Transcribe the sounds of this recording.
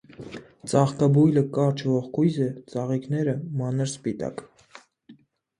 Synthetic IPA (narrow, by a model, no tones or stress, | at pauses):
t͡sʼɑχk̪ɑbujləkɑɾt͡ʃʰvɔχkʰujzɛt͡sʼɑʁiknɛɾəmɑnəɾspit̪ɑ̰k